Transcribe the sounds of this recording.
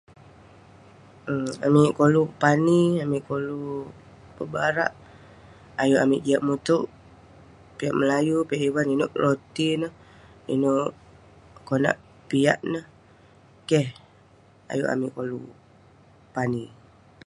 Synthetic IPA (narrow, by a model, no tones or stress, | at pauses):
a̰miʔkolupaniamiʔkolu | pəbaɾa̰ʔ | ajuʔamiʔd͡ʒiaʔmut̪uʔ | piaʔməlajupiaʔiwaninoʔlot̪inəh | ḭnoʔ | kona̰ʔ | pia̰ʔnəh | kɛh | a̰juʔa̰miʔkolṵ | pani